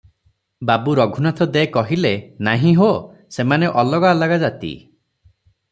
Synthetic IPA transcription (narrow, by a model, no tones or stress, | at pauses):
babuɾɔɡʱunat̪ʰɔd̪eekɔɦilenaɦĩɦo | semaneʔɔlɔɡalaɡad͡ʒat̪ḭ